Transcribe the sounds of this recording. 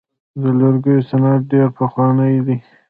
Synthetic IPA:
d̪əlaɾɡəjosanaʈ̚ɖeɾpəxwɑnəjd̪i

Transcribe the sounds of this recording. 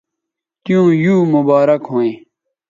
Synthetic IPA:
t̪ijũːjuːmubaːɾɐkɦõːẽː

